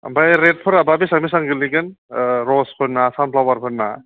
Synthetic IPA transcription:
bajɾet̚pʰɯɾababisamisaŋɡɯliɡɯnɾɔspʰɯɾnːasampʰlawaɾpʰɯɾna

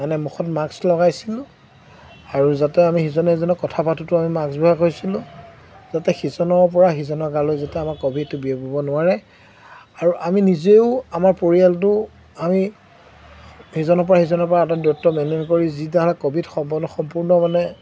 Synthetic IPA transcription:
manɛmuxʰɔtmaɡslɔɡajsilʊ̃ | aɹuzatɛamixizɔnɔizɔnɔkɔtʰapatutʊamimaɡsbɔɦakojsilʊ̃ | zatɛxizɔnɔɹp̬ɔɹaxizɔnɔɹɡalojzatɛamaɹkobʱid̚tʊbiepɔbɔnʊaɹɛ | aɹuʔaminizeʊamaɹpoɹialtʊ | ami | hizɔnɔɹp̬ɔɹaxizɔnɔɹpɔɹaːtadɔtːɔmɛnenkoɹizitaɦɔlakobʱidxɔmpnxɔmpuɹnɔmanɛ

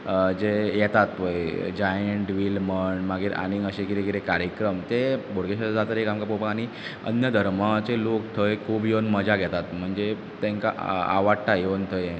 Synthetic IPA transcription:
d͡ʑejɛt̪at̪ʋəjd͡ʑajəɳʈʋilməɳmaɡiːɾʔa̰niŋəɕekiɾekiɾekaɾjəkɾəmt̪ebʱoɽɡeɕad͡zat̪əɾekamkapopəkaɽ̃i | ə̰njəd̪ʱəɾmat͡selokt̪ʰəjkʰuːbjonməd͡zaɡʱɛt̪at̪m̤əɳd͡ze | t̪ẽŋka̰a̰ʋaʈajnt̪ʰəje

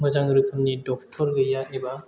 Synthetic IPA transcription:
mɯzaŋɾɯkʰɯmnidɔk̚tʰɔɾɡɯjaeba

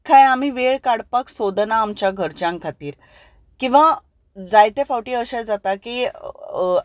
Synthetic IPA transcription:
kʰajam̤iːʋeɭkaɽpaksod̪naːmt͡ɕjaɡʱəɾt͡ɕãŋkʰat̪iːɾ | kĩw̃ʋa | d͡zajt̪ẽfawʈiəɕad͡zat̪aki

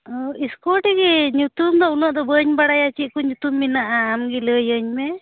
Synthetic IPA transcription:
ɔiskɔʈiɡɛɲut̪umd̪ɔunɔʔd̪ɔbəɲbaɽajat͡ʃiʔ̪̚kɔɲut̪umːinaʔaːmɡiləjəɲmɛ

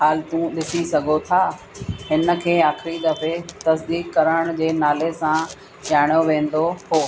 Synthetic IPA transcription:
ɦaːlt̪ũɗɪsisɐɡʱot̪ʰaː | ɦɪnə̆kʰeːaːxɪɾid̪ɐfet̪ɐsd̪iːkkɐɾəɽ̃d͡ʑeːnaːlesã | ʄaːɪɽ̃joʋẽːn̆d̪ohoː

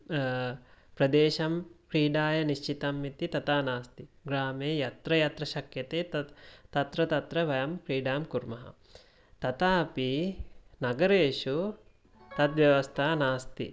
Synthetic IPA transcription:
pɾɐd̪eːʃɐmkɾiːɖaːjɐniʃt͡ʃit̪ɐmːit̪it̪ɐt̪aːnaːst̪iɡɾaːmeːjɐt̪ɾɐjɐt̪ɾɐʃɐkjɐt̪eːɐt̪ɐt̪ɾɐt̪ɐt̪ɾɐʋɐjɐmkɾiːɖaːmkuɾmɐɦɐ̰ | t̪ɐt̪aːpinɐɡɐɾeːʃu | t̪ɐt̪ʋjɐʋɐst̪ʰaːnaːst̪ḭ

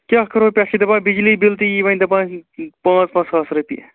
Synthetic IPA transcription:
kʲaːkəɾoːpʲaːkid̪ɐpãːbid͡ʒliːbilt̪iiʋɐ̃nʲd̪ɐpãːpãːt͡spãːt͡skaːsɾəpḭ

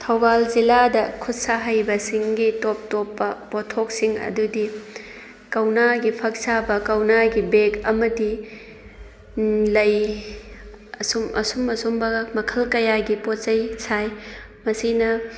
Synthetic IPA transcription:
tʰɐwbalziladɐkʰut̚saɦajbɐsiŋɡitop̚topːɐpotʰok̚siŋɐ̰dudi | kɐwnaɡipʰɐk̚sabɐkɐwnaɡibekɐmɐdi | lɐj | ɐsumɐ̰sumɐsumbɐmɐkʰɐlkɐjaɡipot̚t͡ʃɐjsaj | mɐsinɐ

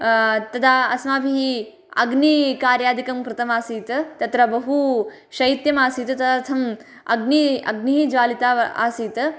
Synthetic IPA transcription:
t̪ɐd̪aːɐsmaːbʱiɦi | ɐ̰ɡnikaːɾjaːd̪ikɐmkɾɪt̪ɐmaːsiːt̪t̪ɐt̪ɾɐbɐɦu | ʃɐit̪jɐmaːsiːt̪t̪ɐt̪ʰɐm | ɐɡniɐ̰ɡniɦid͡ʒʋaːlit̪aːa̰ːsiːt̪

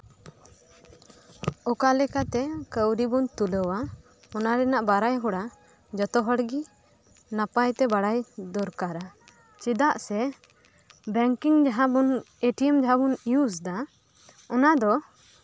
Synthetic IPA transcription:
ɔkalɛkat̪ɛkəwɾibɔnt̪uləwa | ɔnaɾɛnaʔbaɾajɦɔɽa | d͡ʒɔt̪ɔɦɔɽɡi | napajt̪ɛbaɽajd̪ɔɾkaɾa | t͡ʃid̪aʔsɛ | bɛŋkiŋd͡ʒaɦabɔn | eʈiɛmd͡ʒaɦabuniusd̪a | ɔnad̪ɔ

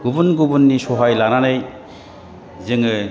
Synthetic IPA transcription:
ɡubunɡubunːisɔɦajlananɯj | zɯŋɯ

